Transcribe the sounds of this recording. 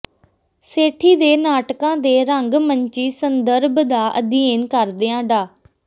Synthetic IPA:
seːʈʰiːd̪eːnaːʈkãːd̪eːɾəŋɡməɲt͡ʃiːsənd̪əɾbd̪aːʔə̰d̪ieːnkəɾd̪eãːɖaː

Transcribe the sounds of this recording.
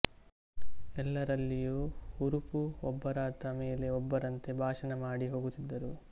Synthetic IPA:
ɛlːɐɾɐlːijuːuɾupuɔbːɐɾaːt̪ɐmeːle̞ɔbːɐɾɐnt̪e̞bʱaːʂɐnɐmaːɽiɦo̞ːɡut̪ːid̪ːɐɾu

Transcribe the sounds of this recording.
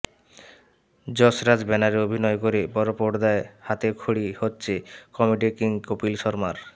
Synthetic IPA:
d͡ʑɔsɾad͡ʑbɛnaɾeobʱinɔekoɾebɔɾopoɽd̪aehat̪ekʰuɽihotːɕʰekɔmiɖikiŋkopilʃɔɾmaɾ

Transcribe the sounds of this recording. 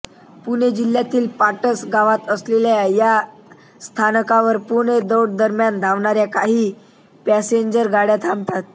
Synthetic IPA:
puned͡ʑil̤ːjat̪iːlpaʈəsɡaʋat̪əsleljaja | st̪ʰanəkaʋəɾpuɳed̪əwɽd̪əɾmjand̪ʱaʋɳaɾjakaɦiː | pæseɲd͡ʑəɾɡaɽjat̪ʰamt̪at̪̚

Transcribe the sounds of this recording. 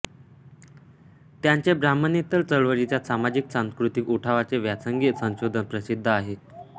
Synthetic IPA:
t̪jaɲt͡ɕebɾamənit̪əlt͡səɭʋəɾit͡ɕjasamad͡ʑiksãñskɾut̪ikuʈʰaʋat͡seʋjat͡səŋɡisə̃w̃ɕod̪ʱənpɾəsid̪ʱːəaɦe

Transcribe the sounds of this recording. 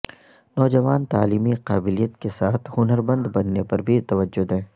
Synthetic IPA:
nɔːd͡ʒɐʋaːnt̪aːliːmiqaːbɪlijət̪kesaːt̪ʰhʊnəɾbɐ̃nd̪bɐnːepɐɾbʱit̪ɐʋəd͡ʒːʊd̪ɦɛ̃ː

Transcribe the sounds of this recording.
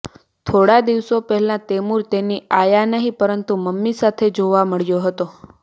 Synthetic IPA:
t̪ʰoɽad̪iʋsopəɦɛlãt̪emuɾt̪eniajanəɦĩpəɾənt̪uməmːisat̪ʰed͡ʒoʋaməɭjoɦət̪o

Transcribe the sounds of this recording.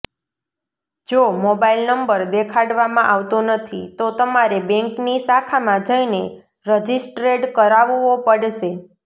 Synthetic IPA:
d͡ʒomobailnəmbəɾd̪ekʰaɽʋamãʔaʋt̪onət̪ʰit̪ot̪əmaɾebɛ̃ŋknisakʰamãd͡ʒəine | ɾəd͡ʒisʈɾeʈkəɾaʋuopəɽʃe

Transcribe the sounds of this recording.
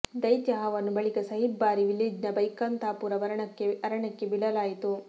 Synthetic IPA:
d̪ɐjt̪jɐɦɐʋɐnːubɐɭikɐsɐɦibːaːɾiʋiliːd͡ʒnɐbɐjkɐnt̪aːpuːɾɐʋɐɾɐɳɐeɐɾɐɳɐkːebiɭɐlaːjit̪u

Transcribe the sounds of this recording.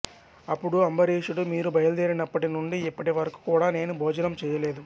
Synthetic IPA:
ɐpːuɽuɐmbɐɾeːʃuɽumiːɾubʱɐjɐld̪eːɾinɐpːɐʈinuɳɖiːpːɐʈiʋɐɾɐku̥kuːɽaːne̞ːnubʱɔːd͡ʒɐnɐmt͡ʃɛːjɐleːd̪u

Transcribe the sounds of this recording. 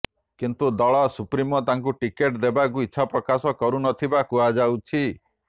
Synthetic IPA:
kint̪ud̪ɔɭɔsupɾimɔt̪aŋkuʈikeʈd̪ebakuitːʃʰapɾɔkasɔkɔɾunɔt̪ʰibakuad͡ʒawt͡ʃʰi

